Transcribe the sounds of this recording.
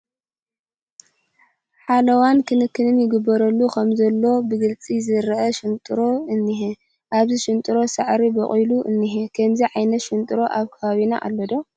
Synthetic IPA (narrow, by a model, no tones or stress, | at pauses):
ħalɐwankʰɨnɨkʰːɨnɨnjɪɡɨbːɐɾɐlːukʰɐmzɐlːo̞bɨɡɨlt͡sʼizɨɾɐʔɐʃɪnt̪ʼɨɾo̞ɨnːihe | ʔaβziʃɪnt̪ʼɨɾo̞sɐʕɾibɐkʼiluʔɨnːiɦekʰɐmziʕajnɐt̪ʃɪnt̪ʼɨɾo̞ʔaβkʰɐβaβina̰ʔa̰lːɐd̪o̞